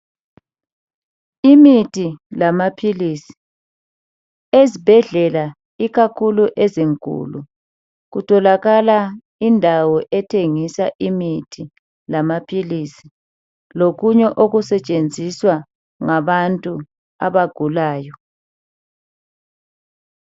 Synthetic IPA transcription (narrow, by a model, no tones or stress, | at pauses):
imitʰʼilamapʰilisi̥ | ezib̥ʱɛɮɛla | iɣakʰuluʔɛziŋkʼṵlu | ɣutʰɔlaɣala | indʱawɔʔɛtʰeŋisaʔimitʰi | lamapʰilisi̥ | loɣuɲɛʔoɣusɛt͡ʃʼend͡zʱiswa | ŋaβantʼu | a̰βaɡ̥ʱulaːjɔ